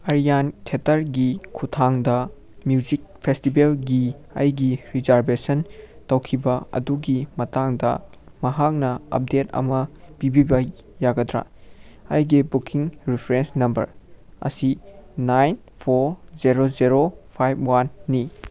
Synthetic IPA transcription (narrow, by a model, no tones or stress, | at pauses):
ɐɾijantʰetɐɾɡikʰutʰaŋdɐ | mjud͡ʒik̚pʰestibelɡiɐ̰jɡiɾizaɾbesɐntɐwkʰibɐɐ̰duɡimɐtaŋdɐ̰ | mɐɦak̚nɐɐ̰p̚detɐ̰mɐpibibɐ | jaɡɐdɾa̰ɐ̰jɡibukʰiŋɾipʰɾensnɐmbɐ̰ɾɐ̰sinajn | pʰoɾzeɾozeɾopʰajb̚wanːi